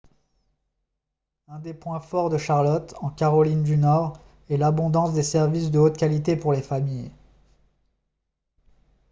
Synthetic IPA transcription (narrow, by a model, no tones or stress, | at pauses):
ɛ̃d̪epwɛ̃fɔʁd̪əʃaʁlɔt̪ɑ̃kaʁɔlind̪ynɔʁ | ɛlabɔ̃d̪ɑ̃sd̪esɛʁvisd̪əot̪kʲalit̪epuʁlefamij